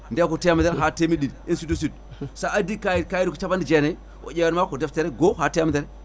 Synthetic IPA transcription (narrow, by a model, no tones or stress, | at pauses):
ndekuteamideɾɦatemiɗiinsidus̬ud̚ | saadikajikajidikut͡ʃabandid͡ʒene | wo̰d͡ʒewenmakudefteɾeɡohateamdeɾe